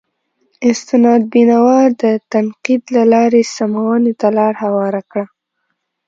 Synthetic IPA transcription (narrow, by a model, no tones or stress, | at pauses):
ɪst̪ɪnɑd̪̚binawɑd̪ət̪anqid̪lalɑɾesamawənet̪alɑɾhawɑɾakɽa